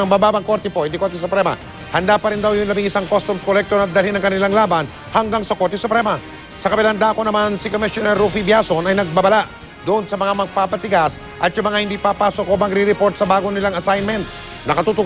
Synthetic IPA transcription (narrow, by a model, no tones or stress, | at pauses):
ɐŋbabaːbɐŋko̞ɾt̪ɛpohɪnd̪ikoɾt̪ɪs̬ʊpɾɛmɐ̰ | hɐnd̪aːpɐɾɪnd̪awjʊŋlɐbiŋɪsaŋkost̪umskolɛk̚t̪onɐd̪ɐlinːɐŋkɐnɪlaŋlaːbɐn | hɐŋɡaŋsɐkoɾt̪ɪsʊpɾɛmɐ | sɐkɐpɪland̪aːkonɐmansɪkomɪʃonɛɾufibjasonɐjnɐɡ̚babɐlaʔ | d̪ʊʔonsɐmɐŋamɐɡ̚paːpɐt̪ɪɡas | ʔɐt̪jʊmɐŋahɪnd̪ipapaːsokːomɐɡɾiɾɪpo̞ɾt̪̚sɐbaːɡonɪlaŋɐsajnmɛnt̪̚ | nɐkɐt̪uːt̪ʊ